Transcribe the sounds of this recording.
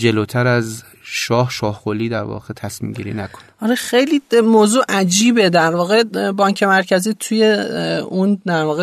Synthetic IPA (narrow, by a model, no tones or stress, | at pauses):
d͡ʒeloːt̪ʰæɾæz | ʃɒːhʃɒːhxoliːd̪æɾvɒ̰ɣet̪ʰæsmḭːmɟḭːɾḭːnækʰo̥nɒɾexejliːmoːzuːʔæd͡ʒiːbe̞d̪æɾvɒːɣe̞bɒːɲcʰe̞mæɾcʰæziːt̪ʰuje̞und̪æɾvɒːɣe